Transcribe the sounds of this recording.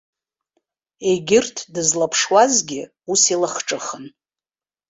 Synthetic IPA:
eɡʲɪrtʰdɨzlapʰʂwazɡʲɪ | usilaχʈ͡ʂʼɨχən

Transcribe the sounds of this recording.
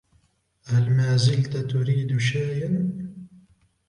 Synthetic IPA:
ʔalmaːzɪlt̪at̪ʊɾiːd̪ʃaːʔan

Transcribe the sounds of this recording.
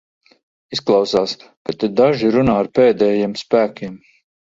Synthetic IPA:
isklˠɑwsaːskat̪id̪aʒiɾunaːaɾpeːd̪ɛːjiɛmspæːkʲim

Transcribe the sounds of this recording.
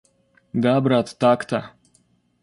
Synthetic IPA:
d̪abɾat̪t̪akt̪a

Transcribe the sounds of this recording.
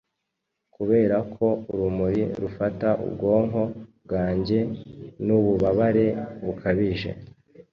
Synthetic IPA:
kuβe̞ːɾakʰo̞uɾumuɾiɾufataʔṵbɡo̞ːŋɦo̞b̚ɡaːɲɟe̞nuβuβaβaɾe̞βukʰaβiʒe̞̰

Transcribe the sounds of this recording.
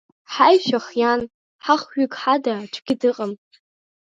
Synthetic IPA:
ħajʃaχjan | ħaχɥʏkʼħadaʈ͡ʂʷʰɡ̥ʲɪdɨqʼəm

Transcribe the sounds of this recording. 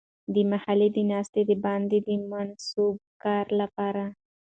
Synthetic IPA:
d̪əmahaled̪ənɑst̪ed̪əbɑnd̪ed̪əmansub̚kɑɾlapɑɾa

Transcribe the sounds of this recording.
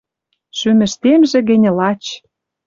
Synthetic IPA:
ʃymɘ̆ʃt̪emʒĕɣɘ̆n̆ʲlɑt͡ɕ

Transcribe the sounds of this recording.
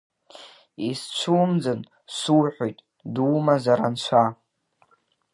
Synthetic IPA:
ist͡ɕʷʰuːmd͡zɨn | suwħʷᶣojtʼ | duːmazaɾant͡ɕʷʰa

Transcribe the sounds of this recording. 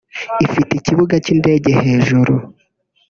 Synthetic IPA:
ifiticiβuɡaciːnde̞ːɟehe̞ːʒuɾu

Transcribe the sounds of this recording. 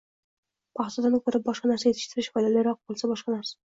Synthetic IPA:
pʰɑχt̪ɒd̪anɪkʲʰɵɾɪp̚bɒʃqɑnaɾsajeɪ̥ʃt̪ʰɪɾɪʃfɒjlalɪɾɒq̚bolˠsabɒʃqɑnaɾsḁ

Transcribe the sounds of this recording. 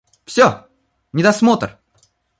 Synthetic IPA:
fsʲo | nʲɪd̪ɐsmo̞t̪r

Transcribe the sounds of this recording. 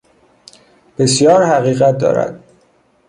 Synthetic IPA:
b̥e̞sjɒːɾhæɣiːɣæt̪̚d̪ɒ̰ːɾæ̰d̪̥̚

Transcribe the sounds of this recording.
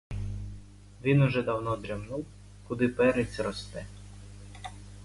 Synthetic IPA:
ʋʲinʊʒɛd̪ɐwnɔd̪ɾʲɐmnuw | kʊd̪ɪpɛɾet͡sʲɾɔst̪ɛ

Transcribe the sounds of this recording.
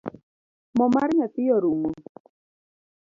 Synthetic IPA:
mɔmaɾɲat̪ɪjɔɾumo

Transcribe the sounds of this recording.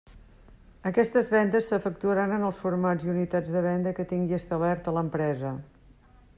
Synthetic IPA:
əkɛst̪əzβɛnd̪əsːəfək̚t̪uəɾanənəlˠsfuɾmaziunit̪ad͡zðəβ̞ɛnd̪əkət̪iŋɡiəst̪aβɛɾt̪ələmpɾɛzə

